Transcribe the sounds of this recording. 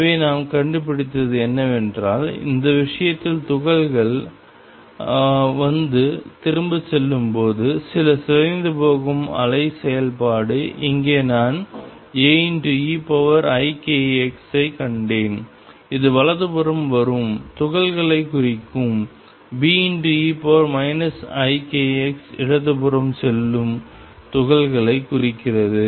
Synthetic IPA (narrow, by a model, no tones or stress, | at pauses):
ʋeːnaːmkɐɳɖɯp̬ːɪɽɪt̪ːɐðɯɛnːɐʋɛndraːlɪ̰nd̪ɐʋɪʂɐjɐt̪ːɪlt̪ʊɣɐɭɣɐɭ | ʋɐnd̪ɯt̪ɪɾɯmbɯsɛlːɯmpoːðɯsɪlɐsɪɐɪnd̪ɯpoːɣɯmɐ̰lɐɪsɛjɐlpaːɽɯʔɪŋɡeːnaːn | eːnʈɯiːpɐʋɐɾɐɪkeːɛksɐɪkːɐɳɖeːn | ɪðɯʋɐlɐðɯpɯrɐmʋɐɾɯmt̪ʊɣɐɭɣɐɭɐɪkːʊrɪkːɯm | biːnʈɯiːpoɾmɐɪnɐsɐɪkeːɛksɪɽɐðɯpɯɾɐmsɛlːɯm | t̪ʊɣɐɭɣɐɭɐɪkːʊɾɪkːɪrɐðɯ